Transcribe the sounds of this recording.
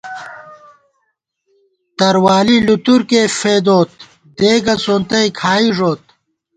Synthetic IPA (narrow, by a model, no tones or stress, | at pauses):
t̪ɐɾwaːlilut̪uɾkefeːd̪oːt̪̚ | d̪eːɡɐsont̪ɐjkʰaːiʐoːt̪̚